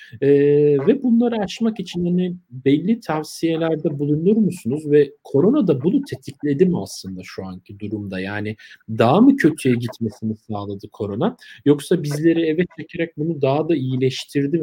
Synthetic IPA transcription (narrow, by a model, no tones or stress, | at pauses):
ɛːvɛbunlˠaɾaːt͡ʃmakit͡ʃʰinanibɛlʲːit̪ʰavsije̞lʲæɾd̪ɛbulˠunuɾmusunuzvɛkʰo̞ɾo̞nad̪abunut̪ʰe̞t̪ʰiclʲe̞d̪imaslˠɯnd̪aʃuaɲcʰid̪uɾumd̪ajaːnid̪aɦmɯcʰø̞t̪ʰyjɛɟit̪me̞sinisaːlˠad̪ɯkʰo̞ɾo̞najo̞ksabizlʲe̞ɾievɛt̪t͡ʃecʰeɾɛc̚bunud̪aɦad̪aijilʲɛʃt̪ʰiɾd̪im